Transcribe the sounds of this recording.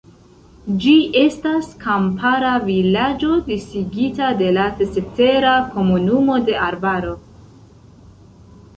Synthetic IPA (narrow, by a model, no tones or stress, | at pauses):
d͡ʒiʔe̞staskampʰaɾavilad͡ʒo̞disiɡitade̞lasete̞ɾako̞munumo̞de̞ʔaɾbaɾo̞